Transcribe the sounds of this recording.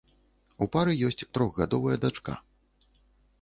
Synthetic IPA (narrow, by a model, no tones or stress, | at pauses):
upaɾɨjɔsʲt͡sʲt̪ɾɔɣɣad̪ɔvɐjɐd̪at͡ʂka̰